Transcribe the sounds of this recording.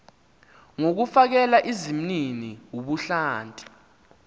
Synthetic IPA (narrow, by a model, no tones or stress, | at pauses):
ŋok̬ufak̬ɛlaʔizim̩niniwuɓuɬaːntʼi̥